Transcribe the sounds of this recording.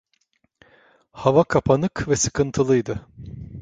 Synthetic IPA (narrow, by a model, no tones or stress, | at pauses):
havakʰapʰanɯkvɛsɯkʰɯnt̪ʰɯlˠɯjd̪ɯ